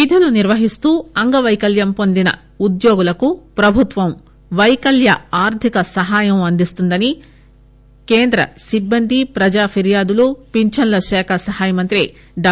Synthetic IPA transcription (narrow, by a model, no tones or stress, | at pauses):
id̪ʱɐluniɾʋɐɦist̪uːɐŋɡɐʋɐjkɐljɐmpond̪inɐ̰ | ud̪jo̞ːɡulɐkupɾɐbʱut̪ʋɐm | ʋɐjkɐljɐaːɾt̪ʰikɐsɐɦaːjɐmɐnd̪ist̪und̪ɐni | keːnd̪ɾɐ̰sibːɐnd̪ʱipɾɐd͡ʒaːpʰiɾjaːd̪ulupiɲt͡ʃɐnlɐʃɛːkʰɐsɐhaːjɐmɐnt̪ɾi | ɖa